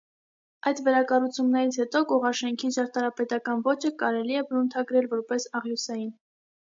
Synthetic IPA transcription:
ɑjd̪vɛɾɑkɑrut͡sʰumnɛɾit͡sʰhɛt̪ɔkɔʁɑʃɛŋkʰiʒɑɾt̪ɑɾɑpɛt̪ɑkɑnvɔt͡ʃʰəkɑɾɛliɛbɾunt̪ʰɑɡɾɛlvɔɾpɛsɑʁjusɑjin

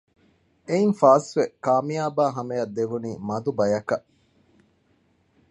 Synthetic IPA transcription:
einfaːsʋekaːmijaːbaːɦɐmejɐd̪ːeʋuniːmɐd̪ubɐjɐkɐʔ

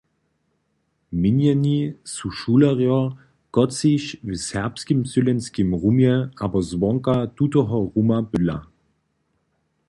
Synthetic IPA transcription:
minjanisuʃulaʁjɔʁ | ɡ̥ɔt͡siʃvɪshɛʁpskimsylɛnskimʁumjɛabɐzvɔŋkad̥utoɦɔʁumabʏla̰

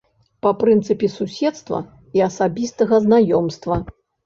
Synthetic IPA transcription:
papɾɨnt̪sɨpʲɛsusʲɛt̪st̪vɐ̰ | iɐsabʲist̪ɐɣɐznajɔmst̪vɐ

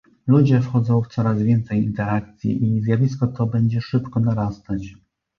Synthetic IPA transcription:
lud͡ʑɛfxɔd̪zɔ̃w̃ft̪sɔɾazvʲjɛnt̪sɛjint̪ɛɾak̚t̪sʲjḭʔizʲjavʲiskɔt̪ɔbɛɲd͡ʑɛʂɘpkɔnaɾast̪at͡ɕ

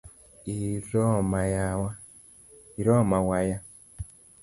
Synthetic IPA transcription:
iɾɔmajawa | iɾɔmawaja

